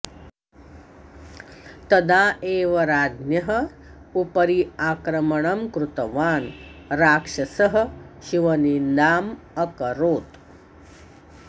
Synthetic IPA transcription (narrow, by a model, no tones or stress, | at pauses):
t̪ɐd̪aːʔeːʋɐɾaːd̪njɐɦɐ̆ | upɐɾiaːkɾɐmɐɳɐmkɾut̪ɐʋaːnɾaːkʂɐsɐɦɐ̆ʃiʋɐnind̪aːm | ɐkɐɾoːt̪